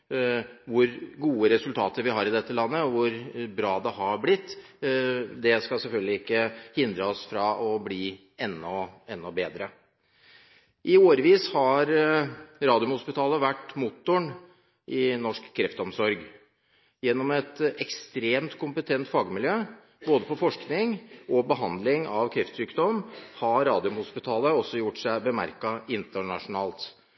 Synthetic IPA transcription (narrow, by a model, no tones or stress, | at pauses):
ʋʊɾɡuːəɾɛsʉlt̪ʰɑːt̪əɾʋɪhɑːɾɪd̪ɛt̪ːəlɑnːəɔʋʊɾbɾɑːd̪ɛhɑblɪt̪ː | d̪ɛskɑsɛlfœlɡ̪lɪɪkːəhɪnd̪ɾəɔsfɾɑɔbliː | ɛnːɔɛnːɔbeːd̪ɾə | ʔɪoːɾəʋiːshɑɾ | ɾɑːd̪ɪʊmhʊspɪt̪ʰɑːləʋæʈːmʊt̪ːʊɳ | ʔɪnɔʂkkʰːɾɛft̪əɔmsɔɾɡ | jɛnːɔmɛt̪ɛkst̪ɾeːmt̪kʰʊmpət̪ʰɛnt̪fɑːɡmɪljøː | boːd̪əpʰɔfɔʂknɪŋʔɔbəɦɑnd̪lɪŋɑʋkʰɾɛft̪syːkd̪ɔmhɑɾːɑːd̪ɪʊmhʊspɪt̪ʰɑːləɔsːɔjʊʈʂæɪbəmæ̰ɾkɑɪnt̪əɳɑ̰ʂʊnɑːlt̪